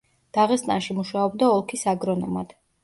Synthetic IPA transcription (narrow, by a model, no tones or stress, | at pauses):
d̪̥aʁɛst̪ʼanʃimuʃaɔbd̪aɔlˠkʰisaɡɾɔnɔmad̪̥